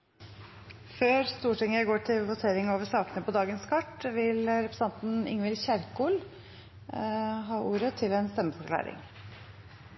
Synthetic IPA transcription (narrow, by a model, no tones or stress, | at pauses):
føːɾst̪uːʈɪŋəɡoːʈʰɪlʋʊt̪ʰeːɾɪŋoːʋəʂɑːkənəpɔd̪ɑːɡənskʰɑʈːʋɪlɾɛpɾəsɑnt̪n̩ɪ̰ŋʋɪlçæɾkuːl | ɦɑːʔuːɾət̪ʰɪlɛnst̪ɛmːəfɔɾklɑ̰ːɾɪ̰ŋ